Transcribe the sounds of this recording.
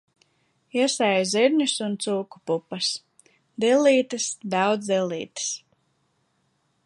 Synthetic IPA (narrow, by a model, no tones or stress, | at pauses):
iɛsɛjziɾɲusunt̪suːku̥pupːɐs | d̪ilˠːiːt̪ɨsd̪ɑwd̪zd̪ɛlˠḭːt̪ɨ̥s